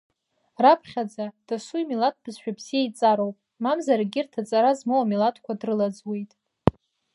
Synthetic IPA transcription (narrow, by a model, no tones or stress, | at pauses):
rapʰχʲad͡zad̥asujmilat̚ʰbʰɨzʃᶣabz̥ijait͡sʼaɾo̞wpʼ | mamzarɡʲɪrtʰat͡sʼaɾazmowamilatʰkʷʰadrɨlad͡zwe̞jtʼ